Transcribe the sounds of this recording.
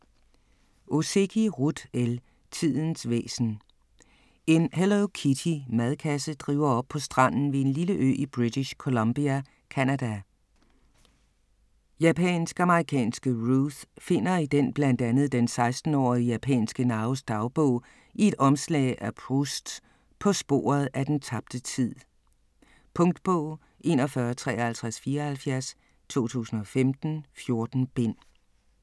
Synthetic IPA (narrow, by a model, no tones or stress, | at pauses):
ʔose̝kʰiʁud̥el | t͡sʰið̰ˠn̩sʋḛːsn̩ | e̝nhelokʰidʰimæðˠkʰæsəd̥ʁḭːʊɐɒ̽b̥̚pʰɒ̽sd̥ʁɑ̈n̰n̩ʋe̝e̝nliləʔø̰ːib̥ʁid̥iɕkʰo̝lomb̥iæ | kʰænæd̥æ | jæpʰɛ̰ːnsɡ̥ɑ̈məʁikʰɛ̰ːnsɡ̥əʁuθfe̝n̰ɐid̥enb̥lænd̥ænð̞̩ˠd̥ensɑ̈ɪsd̥n̩ɒ̰ːiəjæpʰɛ̰ːnsɡ̥ənɑ̈ːosd̥ɑ̈ʊb̥ɔʊ̰ | ie̝d̥ɒ̽mslɛ̰ɪʔæpʰʁusd̥ | pʰɒ̽sb̥o̝̰ːɐð̩ˠʔæd̥ent͡sʰɑ̈b̥̚d̥ət͡sʰið̰ˠ | pʰɔ̽ŋd̥b̥ɔʊ̰ | ʔe̝nɒ̽fɶːɐt͡sʰʁɛ̰ːhælt͡sʰʁasfiːɐɒhælfjæɐs | t͡sʰo̝̰ːt͡sʰṵːsn̩ɒ̽femd̥n̩fjo̝ɐd̥n̩b̥e̝n̰